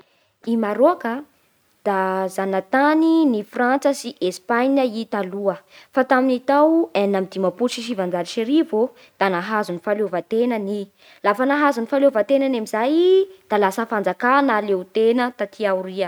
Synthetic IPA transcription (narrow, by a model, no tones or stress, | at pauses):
imaɾokə | d̪̥azanət̪aninifrant͡səsiʔespanəit̪aluəfat̪aminit̪awanamid̪imapuʃiʃ̬ivand͡zaliʃeɾivo | d̪̥anaɦazunifalovat̪enəni | lafənaɦazunifalovat̪enanamizajd̪̥alasəfand͡zakanaleut̪enət̪at̪ʰiawuɾiə